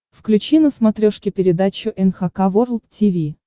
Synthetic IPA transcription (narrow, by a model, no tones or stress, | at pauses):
fklʲʉt͡ɕinəsmɐt̪ɾʲoʂkʲɪpʲɪɾʲɪd̪at͡ɕʊʔɛnxɐkavorlˠt̪tʲivʲi